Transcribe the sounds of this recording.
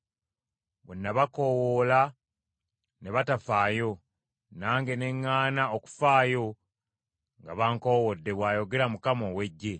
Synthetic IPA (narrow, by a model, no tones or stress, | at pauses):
βunːaβako̞woːla | ne̞βatafaːjo̞ | naːŋɡe̞ne̞ŋːaːnaoku̥faːjo̞ | ŋɡaβaːŋko̞ːwodːe̞βwaːjo̞ɡe̞ɾamukamo̞ːwe̞ɟːe̞